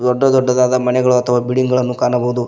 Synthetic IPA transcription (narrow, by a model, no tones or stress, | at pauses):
d̪ɔɖːɐd̪ɔɖːɐd̪aːd̪ɐmɐnɛɡɐɭuɐt̪ʰɐʋabiɽiŋɡɐɭɐnːukaːnɐbɐɦud̪u